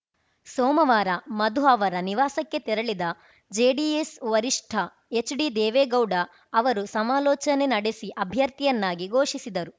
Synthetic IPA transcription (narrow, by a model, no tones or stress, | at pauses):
sɔːmɐʋaːɾɐmɐd̪ʱuɐʋɐɾɐniʋaːsɐkːe̞t̪iɾɐɭid̪ɐ | d͡ʒeːɖiesʋɐɾiʂʈʰɐ | et͡ʃːɖid̪ɛːʋeːɡɐwɖɐː | ʋɐɾusɐmaːlɔːt͡ʃɐne̞nɐɽesiʔɐbʱjɐɾt̪ijɐnːaːɡiɡoːʂisid̪ɐɾu